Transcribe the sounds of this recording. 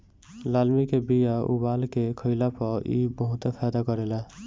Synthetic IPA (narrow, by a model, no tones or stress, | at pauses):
lalmikebijaṵbalkekʰəɪlapɔḭbəɦut̪epʰajd̪akʌɾela